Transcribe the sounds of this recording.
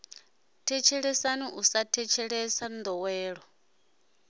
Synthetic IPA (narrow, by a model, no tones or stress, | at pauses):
tʰɛt͡ʃʰɛɺɛsaniʔusatʰɛt͡ʃʰɛɺɛsand̪ɔwɛːɺɔ